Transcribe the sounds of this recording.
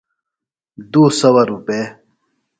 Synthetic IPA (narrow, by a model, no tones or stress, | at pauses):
d̪uːsɐwɐɾupe